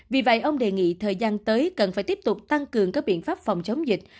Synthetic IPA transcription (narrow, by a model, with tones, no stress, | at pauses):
vi˨˩və̰˧˨jʔə˧wŋ͡mɗe˨˩ŋḭ˧˨t̪ʰəː˨˩jzaː˧nt̪əː˨˦jkə˨˩nfaː˧˩jt̪i˦˥əp̚t̪ʊ˨˩k͡p̚t̪a˧ŋkɨ˨˩əŋkaː˦˥k̚ɓḭ˧˨ənfaː˦˥p̚fa˨˩wŋ͡mt͡ɕə˨˦wŋ͡mzï˨˩k̟̚